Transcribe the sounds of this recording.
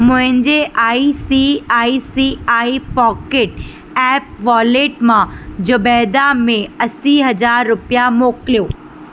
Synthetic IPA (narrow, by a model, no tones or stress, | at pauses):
mʊ̃ɦɪ̃ɲd͡ʑeʔaːisiaːisiaːipɔːkeːʈ | ɛːp̚ʋɔːleːʈmãd͡ʑobɛːd̪amẽɐsiɦɐd͡ʑaːɾːʊpijamoːklijoː